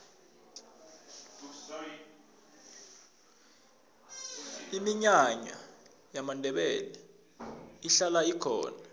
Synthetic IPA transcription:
imiɲaɲa̰ | jamandʱɛɓɛlɛ | iɬalaikʰɔ̰ːna

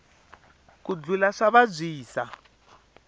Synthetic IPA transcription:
kud͡ɮulaʂaβab͡ʐʷiːsa

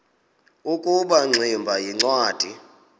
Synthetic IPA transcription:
ukʼuɓaŋ͡ǀʱimbʱajiŋ͡ǀwaːd̥ʱi

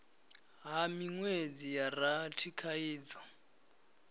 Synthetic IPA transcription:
ɦamiŋwed͡zijaratʰikʰaiːd͡zɔ

